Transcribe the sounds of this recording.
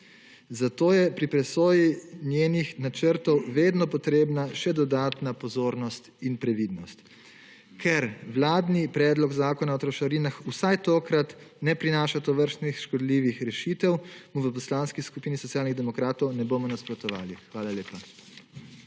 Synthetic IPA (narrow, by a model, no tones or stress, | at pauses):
zat̪oːjɛpɾipɾɛsoːjinjeːnixnat͡ʃəɾt̪ɔwʋeːd̪nɔpɔt̪ɾeːbnaʃɛd̪ɔd̪aːt̪napɔzoːɾnɔst̪inpɾɛʋid̪nɔst̪ | kʰɛɾʋlaːd̪nipɾɛːd̪lɔɡzaːkɔnaɔt̪ɾɔʃaɾinaxusajt̪oːkɾat̪ | nɛpɾinaːʃat̪ɔʋəɾst̪nixʃkɔd̪liʋixɾɛʃiːt̪ɛwmuʋəp̬ɔslaːnskiskupiːnisɔtsijaːlniɣd̪ɛmɔkɾaːt̪ɔwnɛboːmɔnaspɾɔt̪ɔʋa̰ːlixʋaːlaleːpa